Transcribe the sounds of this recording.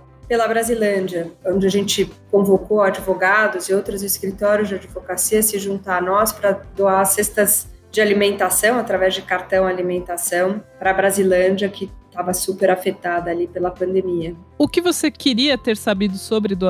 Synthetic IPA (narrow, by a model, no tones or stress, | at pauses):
pelɐbɾazilɐ̃d͡ʒɐõnd͡ʒɪaʒẽnt͡ʃɪkõvokoad͡ʒivoɡad̪ʊzɪowt̪ɾʊzɪskɾit̪ɔɾjʊzd͡ʒɪad͡ʒivokasiɐsɪʒũnt̪aɾnɔspɾɐd̪oasest̪ɐz | d͡ʒɪalimẽnt̪asɐ̃w̃at̪ɾavɛzd͡ʒɪkaɾt̪ɐ̃w̃alimẽnt̪asɐ̃w̃pɾɐbɾazilɐ̃d͡ʒɐkʰɪt̪avɐsupeɾafet̪ad̪ɐːlipelɐpɐ̃nd̪emiɐʊkɪvosekɪɾiɐt̪eɾsabid̪ʊsobɾɪd̪o